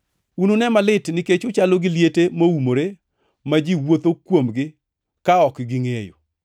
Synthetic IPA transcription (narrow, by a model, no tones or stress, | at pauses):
unonɛmalɪtnɪket͡ʃʊt͡ʃaloɡɪljetemoumoɾe | mad͡ʒiwot̪okwomɡɪ | kaɔkɡɪŋejo̰